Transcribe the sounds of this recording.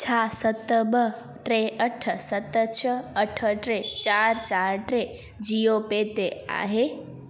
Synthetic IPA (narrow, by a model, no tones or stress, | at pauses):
t͡ʃʰasət̪əbə | ʈɾeəʈʰəsət̪t͡ʃʰəəʈʰəʈɾet͡ʃaːɾt͡ʃaːɾʈɾe | d͡ʒijopeːt̪ea̰ːɦe